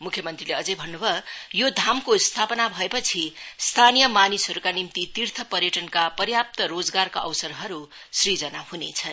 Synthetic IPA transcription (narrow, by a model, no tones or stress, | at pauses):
mukʰjʌmʌnt̪rileʌd͡zʌjbʱʌnːubʱʌjod̪ʱamkost̪ʰapʌnabʱʌepʌt͡sʰist̪ʰanijʌmanisɦʌɾukanimt̪it̪irt̪ʰʌpʌrjʌʈʌnkapʌrjap̚t̪ʌɾod͡zɡarkaʔʌ̰wsʌrɦʌɾu | srid͡zʌnahunet͡sʰʌn